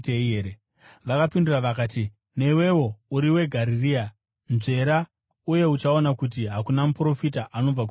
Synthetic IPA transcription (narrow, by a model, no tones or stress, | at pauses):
teeɾe | ʋakapinduraʋakaːti | ne̞we̞wo̞uɾiwe̞ɡʱaɾiria | nze̞ɾa | uje̞ut͡ʃaonakut̬iɦakunamupro̞fitaʔano̞b͡vak̬u